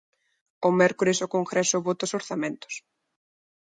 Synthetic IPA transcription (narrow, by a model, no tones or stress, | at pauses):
omɛɾkoɾesokoŋɡɾɛsoβot̪aosoɾθamẽnt̪ʊ̥s